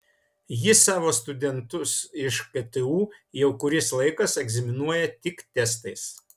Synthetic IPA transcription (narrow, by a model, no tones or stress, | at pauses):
jɪsɑːʋoːst̪ʊd̪ʲɛnt̪ʊsɪʃkɐt̪ɨuːjɛʊkʊɾʲɪslˠɐɪkɐsɛɡzʲɪmʲɪnuɔjɛt̪ʲɪkt̪ʲɛst̪ɐɪs